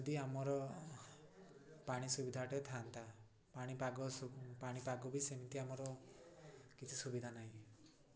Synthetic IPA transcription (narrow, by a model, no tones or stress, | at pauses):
d̪iamɔɾɔ | paɽ̃isubid̪ʱaʈɔt̪ʰant̪a | paɽ̃ipaɡɔpaɽ̃ipaɡɔbisemit̪iamɔɾɔ | kit͡ʃʰisubid̪ʱanaĩ